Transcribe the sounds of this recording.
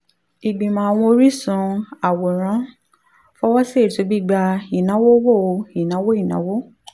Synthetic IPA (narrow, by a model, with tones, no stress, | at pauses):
i˨ɡ͡bĩ˨mãː˨a˨w̃ɔ̃˧o˧ɾi˦sũ˨˧˦a˨wo˨ɾ̃ã˨˦ | fɔ˦wɔ˦se˦˨tu˨˧˦bi˦ɡ͡ba˧i˨nã˨˦wo˦wo˦˨o˧i˨nã˨˦wo˦i˦˨nã̰˨˦wo˦